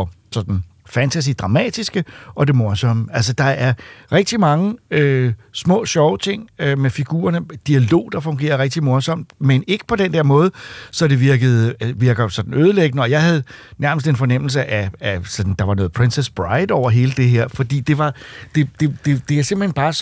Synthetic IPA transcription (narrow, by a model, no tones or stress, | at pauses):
ɒ | sɒ̽d̥n̩ | fænt͡sʰæs̬id̥ʁɑ̈mɛ̰ːd̥isɡ̥əʔɒ̽d̥e̝mɔɐsɒ̽m̰əælsɒd̥ɑ̈æɐʁɛɡ̥̚d̥imɑ̈ŋəøsmɔ̰̽ːɕɒʊət͡sʰe̝ŋ̰ømefiɡ̥ṵːɐnəd̥iælo̝̰ːd̥ɑ̈fɔ̽ŋɡ̥e̝̰ːɐʁɛɡ̥̚d̥imɔɐsɒ̽m̰d̥mene̝ɡ̥ə̥pʰɒ̽d̥end̥eɐ̰mɔ̽ːðˠsɒ̽d̥e̝ʋiɐɡ̥əð̞̩ˠʋiɐɡ̥ɐsɒ̽d̥n̩øːð̞ˠəleɡ̥ənəɒ̽jɑ̈ɪhæð̞ˠnæɐməsd̥e̝nfɒ̽nem̰l̩s̬əʔææsɒ̽d̥n̩d̥ɑ̈ʋɑ̈nɔ̽ːð̞̩ˠpʰʁensesb̥ʁɑ̈ɪd̥ɒʊ̰ɐɦe̝ːləd̥e̝ɦeɐ̰fɒ̽d̥ḭːd̥e̝ʋɑ̈d̥e̝d̥e̝d̥e̝d̥e̝æɐse̝mb̥l̩henb̥ɑ̈ː